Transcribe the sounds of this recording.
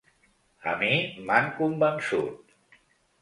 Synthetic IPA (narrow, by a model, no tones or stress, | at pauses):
a̰mimankumbamsṵt̪̚